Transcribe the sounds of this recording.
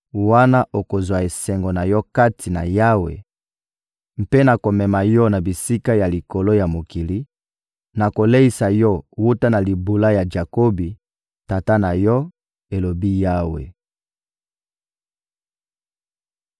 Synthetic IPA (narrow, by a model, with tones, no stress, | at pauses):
wa˦na˦ʔo˨ko˨zwa˨e˨sɛ˨ŋɡɔ˨na˨jɔ˦ka˦tʰi˨na̰˨ja˦wḛ˨ | m̩˨pe˦na˨ko˨mɛ˨ma˨jɔ˦na˨bi˨si˦ka˦ja˨li˨ko˨lo˦ja˨mo˨ki˨li˦ | na˨ko˨le˦i˦sa˨jɔ˦wu˦ta˦na˨li˨bu˨la˦ja˨d͡ʒa˨ko˦bi˨ | ta˨ta˦na˨jɔ˦ | e˨lo˨bi˦ja˦wḛ˨